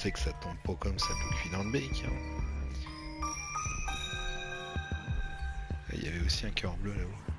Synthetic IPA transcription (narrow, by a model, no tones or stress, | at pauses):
sɛkə̥sat̪ɔ̃bpokɔmsapəfid̪ɑ̃d̪bekʰɛ̰̃ | a̰ḭlja̰vɛosiɛ̃kʰaɑ̃bløalaow